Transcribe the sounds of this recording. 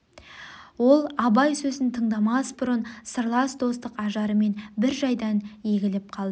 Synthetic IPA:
wo̞lˠɑbɑjsɵzɪnt̪ʰəɴd̪ɑmɑsbʊɾənsəɾlˠɑsd̪o̞st̪əqɑʒɑɾəme̞nbɪɾʒɑjd̪ɑnje̞ɡʲɪlɪp̚qʰɑlˠd̪ə

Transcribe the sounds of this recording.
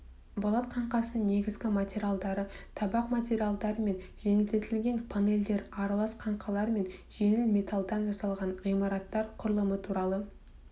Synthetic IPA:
bɑlˠɑt̪qʰɑɴqɑsəne̞ɡʲɪzɡʲɪmatʲeɾʲijalˠd̪ɑɾət̪ʰɑbɑqmat̪ʲe̞ɾijalˠd̪ɑɾəme̞nʒe̞ŋɪlt̪e̞t̪ʰɪlɡʲe̞npʰane̞ld̪e̞ɾɑɾɑlˠɑsqʰɑɴqɑlˠɑɾme̞nʒe̞ŋɪlmʲe̞t̪ʰalˠd̪ɑnʒɑsɑlˠʁɑnʁijmɑɾɑt̪ːɑɾqʰʊɾlˠəmət̪ʰuɾɑlˠə

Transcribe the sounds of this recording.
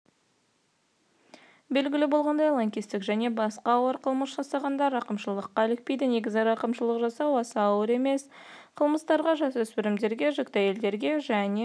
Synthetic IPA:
be̞lɡʲɪlɪbo̞lˠʁɑnd̪ɑjlˠɑŋkʲist̪ɪkʒæne̞bɑsqɑːwəɾqʰəlˠməsʒ̥ɑsɑʁɑnd̪ɑɾɑqəmʃəlˠəqːɑlɪk̚pe̞jd̪ɪne̞ɡʲɪzɑɾɑqəmʃəlˠəqʒɑsɑwɑsɑːwəɾe̞me̞s | qʰəlˠməst̪ɑɾʁɑʒɑsɵspɪɾɪmd̪e̞ɾɡʲe̞ʒɪkt̪æje̞ld̪e̞ɾɡʲe̞ʒæne

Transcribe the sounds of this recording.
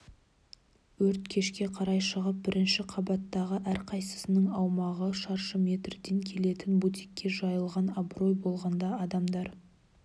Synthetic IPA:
wɵɾt̪kʲʰe̞ʃkʲe̞qʰɑɾɑjʃəʁəp̚bɪɾʔɪnʃɪqʰɑbɑt̪ːɑʁəʔæɾqʰɑjsə̥sɪnəŋɑwmɑʁəʃɑɾʃəmʲe̞t̪rd̪e̞ŋkʲʰe̞le̞t̪ɪnbut̪i̥kʲːe̞ʒɑjəlˠʁɑnɑbro̞jbo̞lˠʁɑnd̪ɑɑd̪ɑmd̪ɑɾ

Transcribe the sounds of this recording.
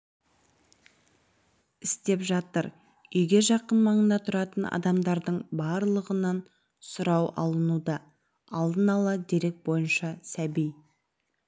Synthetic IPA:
ɪst̪e̞pʒɑt̪əɾ | ʏjɡʲe̞ʒɑqənmɑɴənd̪ɑt̪ʰʊɾɑt̪ənɑ̰d̪ɑmd̪ɑɾd̪əɴbɑɾlˠəʁənɑn | sʊɾɑwɑ̰lˠənud̪ɑ | ɑlˠd̪ənɑlˠɑd̪e̞ɾe̞k̚bo̞jənʃɑsæbij

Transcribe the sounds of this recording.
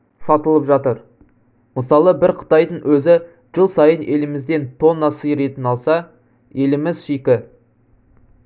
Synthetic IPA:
sɑt̪əlˠəpʒɑt̪əɾ | məsɑlˠəbɪɾqʰə̥t̪ɑjd̪əɴwɵzɪ | ʒ̥əlˠsɑjənʔe̞lɪmɪzd̪e̞nt̪ʰo̞nːɑsəjɾe̞t̪ɪnɑlˠsɑ | e̞lɪmɪzʃekʲɪ

